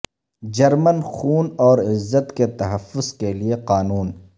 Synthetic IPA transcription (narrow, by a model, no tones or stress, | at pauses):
d͡ʒɐɾmənxuːnɔːɾɪzːət̪ket̪ɐɦɐfːʊz̥kelieqaːnuːn